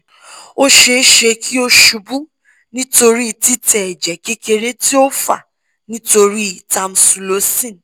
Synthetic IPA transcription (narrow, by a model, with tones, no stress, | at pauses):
o˦ʃe˧˦ʃe˧kʰi˦o˦ʃu˨˧bu˦ | nĩ˦to˧ɾi˦i˦˨ti˦tɛ˨ɛ˨d͡ʒɛ˨ke˦ke˧ɾe˦ti˦o˦fa̰˦˨ | nĩ˦to˧ɾi˦i˨ta˧m̩˨su˨˧lo˨˦sĩ˦˨